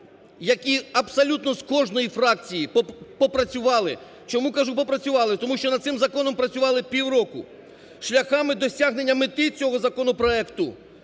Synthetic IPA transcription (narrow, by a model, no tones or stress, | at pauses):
jɐkʲiɐbsɐlʲut̪nɔskɔʒnɔjifɾɑk̚t͡sʲijippɔpɾɐt͡sʲʊʋɑlˠɪ | t͡ʃɔmukɐʒupɔpɾɐt͡sʲʊʋɑlˠɪt̪ɔmuʃt͡ʃɔnɐd̪sɪmzɐkɔnɔmpɾɐt͡sʲʊʋɑlˠɪpʲiwɾɔkʊ̰ | ʃlʲɐxɑmɪd̪ɔsʲaɦnenʲːɐmɪt̪ɪt͡sʲɔɦɔzɐkɔnɔpɾɔɛkt̪ʊ